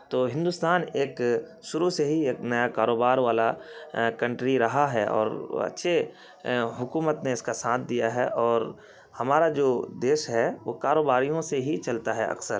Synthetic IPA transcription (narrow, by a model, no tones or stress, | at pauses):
t̪oːɦɪ̃nd̪ʊst̪aːneːk | ʃʊɾuseɦieːknɐjakaːɾoːbaːɾʋaːlakɐ̃ɳʈɾiɾɐɦaɦɛʔɔ̰ːɾɐ̰tːʃʰe | ɦʊkuːmət̪neɪskasãːt̪ʰd̪ijaɦɛʔɔːɾ | hɐmaːɾad͡ʒoːd̪eːʃɦɛʋoːkaːɾoːbaːɾijõseɦit͡ʃɐlt̪aɦɛɐ̰ksəɾ